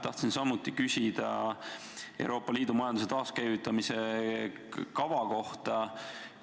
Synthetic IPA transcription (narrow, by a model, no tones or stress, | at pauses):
t̪ɑht̪sinsɑmut̪ːˑikysʲid̪̥ɑ̰ | e̞̰w̰ɾo̞ːpːˑɑliːd̪̥umɑjɑnd̪uset̪ɑːskæjvit̪ːˑɑmise̞ | kɑvɑko̞ht̪ɑ